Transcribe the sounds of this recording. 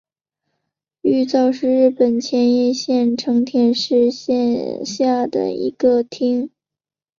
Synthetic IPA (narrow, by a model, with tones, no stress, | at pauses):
y˥˧t͡sɑ˥˧ʊʂɻ̩˥˧ɻɻ̩˥˩pə˨˩nt͡ɕʰjɛ˧˥njɛ˥˧ɕjɛ˥˩nʈ͡ʂʰɤ˧˥ŋt̪ʰjɛ˥˧nʂɻ̩˥˧ɕjɛ˥˧nɕja˥˩d̪ə̰˩ḭ˧˥ɡə˧t̪ʰi˥ŋ